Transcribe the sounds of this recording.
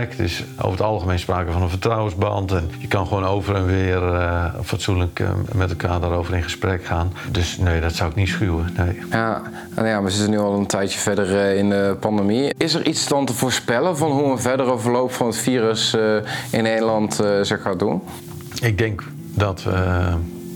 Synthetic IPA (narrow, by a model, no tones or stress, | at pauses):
ktɪso̰ːvətɑlˠxəmejnspraːkəvɔnənfərtrawənzbɑntɛnjəkɑnxʋoːnowvərənʋɪərfatsunləkmɛtɛlˠkʰaːrdaːɾowvəɾɪ̃nχəsprɛkxaːndøsneːdɔtsawɪknitsxyəneːja | jaːʋəzɪtənyɑlˠəntʰɛjtjəv̥ɛdərɪndəpɑndemiɪsərʔisdɑntəvoːɹspɛlənvɑnɦuənvɛdərəvəɹlowpfɔnətfiːrəs | ɪnejdəlɑntzɛxmadun | ɪɡ̚dɪŋk | dɔtə